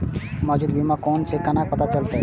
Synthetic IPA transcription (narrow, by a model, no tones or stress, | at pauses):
mɔd͡ʒuːd̪bimakɔnsekɐnak̚pət̪at͡ʃəlt̪eɦ